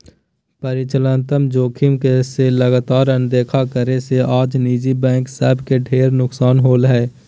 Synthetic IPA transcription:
pəɾɪt͡ʃələ̃nt̪əmd͡ʒoːkʰɪmkeseləɡaːt̪aːɾə̃nd̪eːkʰakəɾeseʔaːd͡ʒniːd͡ʒibɛ̃ːŋksɛːbkeɖʰʱeːɾnʊksaːnɦoːlɦɛː

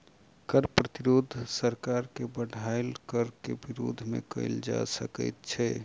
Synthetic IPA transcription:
kəɾpɾət̪iɾod̪ʱsəɾkaɾkebəɽʱaelkəɾkebiɾo̰d̪ʱmḛkə̰ɪld͡ʒa̰səkə̰jt̪̚t͡ʃʰɛ

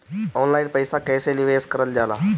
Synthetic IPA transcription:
ɔːnlaɪnpəjsakɛ̃ːseliʋeːskɐɾəld͡ʑaːla̰ː

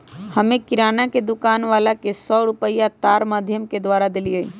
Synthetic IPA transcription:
həmẽkɪɾaːnaked̪ʊkaːnʋaːlakesɔɾupəjat̪aːɾmaːd̪ʱjəmked̪ʋaːɾad̪eliəi

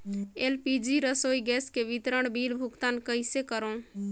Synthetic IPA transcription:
elpid͡ʒiɾəsoːiɡɛːskeʋit̪ɾəɽbʱilbʱʊɡt̪ankəɪsekəɾõ

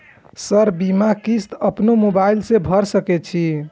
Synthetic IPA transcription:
səɾbimakist̪əpnomobailsẽbʱəɾsəkɛt͡ʃʰi

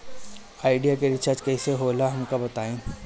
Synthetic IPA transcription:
aːɪɖijakeɾɪt͡ʃaːd͡ʒkɛseɦoːlaɦɐmkabɐt̪aːẽː

